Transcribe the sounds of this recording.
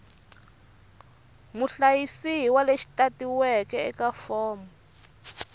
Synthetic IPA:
muɬajisiwaleʃi̥tatiwɛkɛɛkafɔːmɔ

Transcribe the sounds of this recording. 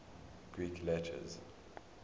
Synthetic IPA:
ɡ̥ɹiːkʰlɛtʰə̰z

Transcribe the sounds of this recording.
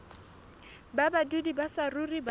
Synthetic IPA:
babadudibasarurib

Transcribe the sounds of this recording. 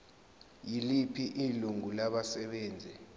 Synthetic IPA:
jilipʰiʔiluŋulaɓasɛɓɛːnd͡zʱɛ

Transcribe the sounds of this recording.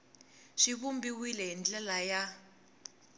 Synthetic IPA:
ʂiβumbiwilɛɦind͡ɮɛlaja

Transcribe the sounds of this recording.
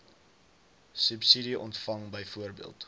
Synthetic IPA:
sʉpsidiʔɔntfɐŋbəjfuərbḭəlˠt

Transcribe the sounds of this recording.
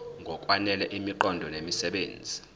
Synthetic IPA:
ŋɡʱɔkʼwanɛlɛʔimiǃɔndʱɔnemisɛɓeːnd͡zʱi

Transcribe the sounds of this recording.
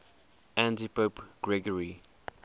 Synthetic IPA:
æ̃ntipopɡ̥ɹɛɡəɹi

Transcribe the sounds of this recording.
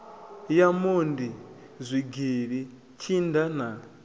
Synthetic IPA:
jamondizʷiɡiɺi | t͡ʃʰindana

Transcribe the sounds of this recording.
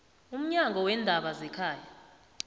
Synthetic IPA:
um̩ɲaŋɡʱɔwɛndʱaɓazɛkʰaːja

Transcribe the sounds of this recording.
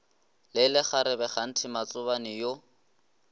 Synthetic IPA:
lɪlɪχaɾɪbɛχan̩tʰɪmat͡sʊβanɪjo

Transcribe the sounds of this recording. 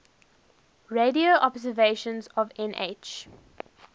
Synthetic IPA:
ɹedioʔɔbzəveʃə̃nzɔvɛ̃nʔḛt͡ʃ

